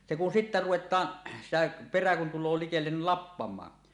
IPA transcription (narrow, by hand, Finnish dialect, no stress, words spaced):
se kun sitːæ ruwetˑɑːn sitæ peræ kun tulˑoː likelːen ni lɑpːɑmˑɑː